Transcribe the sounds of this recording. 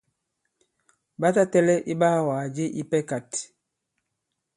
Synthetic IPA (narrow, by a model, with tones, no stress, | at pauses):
ba˦ta˦tɛ˦lɛ˦ʔi˦ɓa˦˨waː˨d͡ʒe˦ʔi˦pɛ˦ka˨t